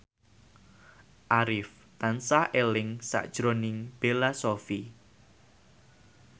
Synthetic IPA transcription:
ʔaɾɪf | t̪ansaʔelɪŋsa̰ʔd̥ʒ̥ɾonɪŋb̥elasofi

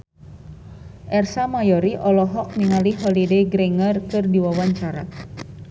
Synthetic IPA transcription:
ʔɛrsamajɔɾiʔɔlɔɦɔk̚niŋaliɦɔlidɛɡɾɛŋərkɨrdiwawaɲt͡ʃaɾa̰

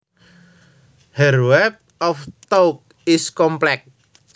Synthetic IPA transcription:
hɛrwɛk̚ | ɔft̪ok̚ | ɪskɔmplɛk̚

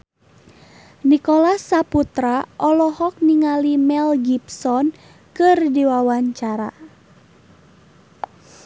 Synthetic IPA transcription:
nikolasaput̪ɾaʔɔlɔhɔk̚niŋalimɛlɡipsɔn | kɨrdiwawaɲt͡ʃaɾa̰

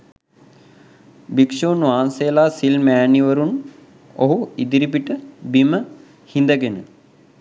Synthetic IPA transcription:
bikʂuːnʋaːnsejəlaːsilmæːniʋəɾun | oɦuid̪iɾip̬iʈəbimə | hind̪əɡenə̰

